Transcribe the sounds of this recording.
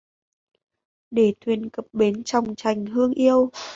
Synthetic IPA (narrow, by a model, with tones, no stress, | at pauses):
ɗe˧˩t̪ʰwi˨˩ənkə˨˩p̚ɓe˨˦nt͡ɕa˨˩wŋ͡mt͡ɕa˨˩jŋ̟ɦɨ˧əŋʔi˧əw